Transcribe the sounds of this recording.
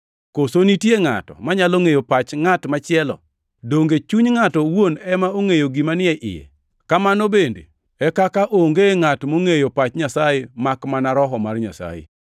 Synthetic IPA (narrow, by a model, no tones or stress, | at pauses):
kosonitjeŋa̰tɔ̰maɲaloŋejopat͡ʃŋatmat͡ʃɪɛlɔ̰ | doŋɡet͡ʃuɲŋatɔwonɛmaoŋejoɡimanɪɛʔɪ̰jɛ̰ | kamanobendḛ | ɛkakaʔoŋɡeŋatmoŋejopat͡ʃɲasajemakmanaɾɔɦɔmarɲa̰sa̰jḛ